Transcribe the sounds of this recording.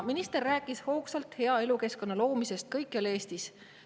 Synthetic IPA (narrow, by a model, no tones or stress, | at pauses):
minist̪e̞rːæːkːˑisho̞ːksɑlt̪he̞ɑe̞luke̞sko̞nːɑlo̞ːmise̞st̪̚kɤjkːˑɑle̞ːst̪is